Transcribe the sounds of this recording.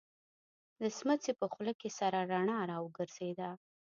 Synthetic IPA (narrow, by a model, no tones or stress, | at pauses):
d̪əsmət͡sepəxləkesaɾaɾaɳɑɾɑwəɡəɾz̥ed̪a